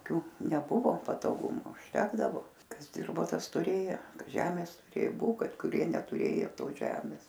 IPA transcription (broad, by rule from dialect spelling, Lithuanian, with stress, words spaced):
ˈkʲuː nʲɛˈbʊʋoː pɐtoːˈɡʊmʊ ʊʃʲˈtʲæːɡdɐʋoː ˈkɐs ˈdʲɪrboː ˈtɐs tʊˈrʲeːjoː ˈʒʲæːmʲeːs tʊˈrʲeː ˈbʊ ˈkɐt kʊˈrʲiɛ nʲɛtʊˈrʲeːjoː ˈtoːs ʒʲɛmʲɪs